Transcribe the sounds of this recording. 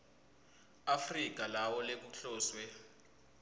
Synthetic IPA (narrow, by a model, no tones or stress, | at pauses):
afrik̬ʼalawɔlek̬uɬɔːswɛ